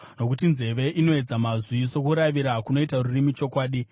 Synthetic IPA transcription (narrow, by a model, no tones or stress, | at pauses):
no̞kutinze̞ʋe̞ʔino̞e̞d͡zamazwiso̞kuɾaʋiɾakuno̞itarurimit͡ʃo̞kwaːɗi